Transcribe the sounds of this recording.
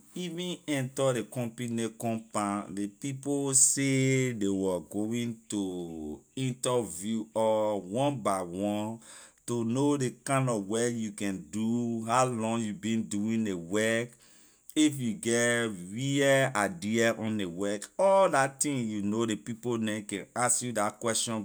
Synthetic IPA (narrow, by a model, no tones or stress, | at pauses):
ivĩnɛ̃ntaɾekɔ̃mpinekɔ̃mpãndepiposedewɛɡoĩntoĩntavjuɔwɔ̃nbaɪwɔ̃ntonodekãnɔwɛjukɛ̃nduɦaʊlɔ̃ŋjubĩnduĩndewɜk | if̬juɡɛtɹiɛadiaʔɔ̃ndewɛkɔldatĩŋjunodepiponɛ̃kɛ̃naskjudakwɛstɔ̃n